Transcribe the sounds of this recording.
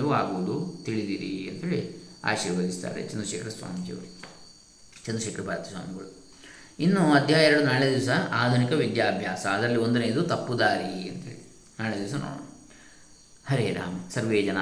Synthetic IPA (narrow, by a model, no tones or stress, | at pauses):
ʋuaːɡuʋud̪ut̪iɭid̪iɾiɐnt̪ɐɦeːɭia̰ːʃiːɾʋɐd̪ist̪a̰ːɾḛt͡ʃɛnd̪ɾɐʃɛːkɐɾɐsʋa̰ːmikḭʋɐɾu | t͡ʃɛnd̪ɐʃɛːkɐɾɐbʱaːɾɐt̪ɐsa̰ːmiɡɐɭu | inːuɐd̪ʱjaːjeɾɐɽunaːɭed̪iʋɐsɐaːd̪ʱunikɐʋid̪jaːɐbʱjaːsɐːd̪ɾɐlːio̞nd̪uneːd̪ut̪ɐpːud̪aːɾiɐnt̪ɐeːɭi | naːɭeːd̪iʋɐs̬ɐno̰ːɽo̰ːn | hɐɾeːɾa̰ːmɐsɐɾʋeːd͡ʒɐna